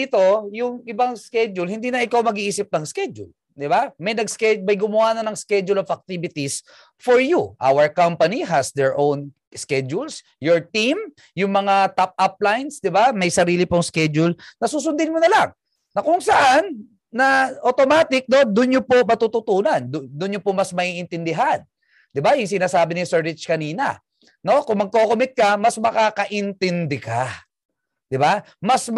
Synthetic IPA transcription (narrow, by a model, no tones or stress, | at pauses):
it̪o̞jʊŋɪbaŋskɛd͡ʒʊlhɪnd̪iːnɐʔɪkawmɐɡiʔiːsɪp̚nɐŋskɛd͡ʒʊ̰l | d̪ɪbamɐjnɐɡ̚skɛmɐjɡʊmʊhaːnɐnɐŋskɛd͡ʒʊlovɐk̚t̪ibɪt̪is | foɹjuʔa̰wəɹkampɐniɦɐsd̪ɛɹʔown | skɛd͡ʒuls | joɹt̪im | jʊŋmɐŋat̪ap̚ʔap̚lajnsd̪ɪbamɐjsɐɾiːlɪpoŋskɛd͡ʒʊlnɐsuːs̬ʊnd̪ɪnmʊnɐlaŋ | nɐkʊŋsɐʔanː | ɐʔot̪omaːt̪ɪk̚no̞d̪ʊnɲopoʔmɐt̪uːt̪ʊt̪uːnɐnd̪ʊd̪ʊnjopomɐsmɐʔiːʔɪnt̪ɪnd̪ɪɦan | d̪ɪbajʊŋsɪnaːsaːbɪnɪsɛɹɹɪt͡ʃkɐniːnɐ̰ | no̞kʊŋmɐɡ̚kokomɪt̪̚kɐmɐsmɐkaːkɐʔɪnt̪ɪnd̪ɛka | d̪̥ɪba | mɐs